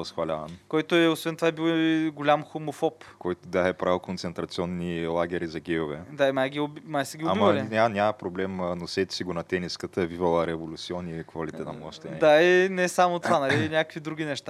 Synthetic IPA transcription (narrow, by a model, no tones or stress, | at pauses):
ɐsxvɐlʲankɔjt̪ʊɛosvɛnt̪ovaɛbilˠɡolʲamxomofɔpkɔjt̪ʊd̪aɛpɾakont̪sɛnt̪ɾɐt̪siɔnːilˠaɡʲɛɾizɐɡʲɛjovɛd̪aimajɡʲiʊbmajsəɡʲioaimvɐlinʲanʲamɐpɾoblɛmnosɛt̪siɡonɐt̪ɛniskət̪əɛvivɐlˠəɾɛvolʲut̪siɔnːikvɐlit̪ɛnɐmˠɔʃt̪ɛd̪ainɛsamot̪ovanɐlinʲakə̥kvid̪ɾuɡ̟ʲinɛʃt̪a